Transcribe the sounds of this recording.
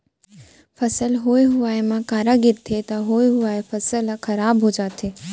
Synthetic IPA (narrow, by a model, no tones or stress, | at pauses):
fəsəlɦojɦʊʋaemãkaːɾaɡiɾt̪ʰet̪aɦojɦʊʋaefəsəlkʰəɾaːbɦod͡ʒaːt̪ʰe